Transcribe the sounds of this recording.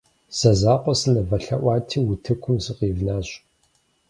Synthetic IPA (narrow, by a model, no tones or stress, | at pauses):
z̥ɐzaːqʷɔsɨnɐvɐɬɐ̰ʔʷɑːtʰiːwʊtʰɨkʷʰʊmzɨqiːvnaːɕ